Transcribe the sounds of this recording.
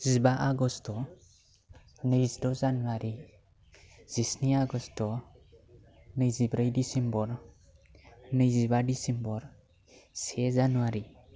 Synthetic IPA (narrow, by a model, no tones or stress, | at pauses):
zibaʔaɡɔstɔ | nəjzdɔzanuwaɾi | z̥isniaɡɔsttɔ | nɯjzibɾəjdisembɔɾ | nɯjzibadisembɔɾ | sɛzanuwaɾi